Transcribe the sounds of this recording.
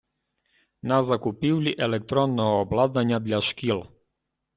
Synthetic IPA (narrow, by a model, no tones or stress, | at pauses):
nazakupiwliʔɛlɛk̚t̪ɾɔnːɔːblˠad̪aɲad̪ʎʲaʃkilˠ